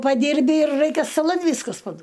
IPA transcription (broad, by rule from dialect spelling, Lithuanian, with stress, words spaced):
pɐˈdʲɪrʲbʲɪ ɪr ˈrɐɪkʲɛ stɐˈlˠɐn ˈʋʲiːskɐs pɐˈduɔ